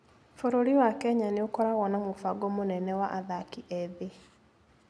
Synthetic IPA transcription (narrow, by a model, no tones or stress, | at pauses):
foɾoɾiwakɛɲaneokɔɾaɣɔnamofaɡɔmonɛnɛwaʔaðakiʔɛðe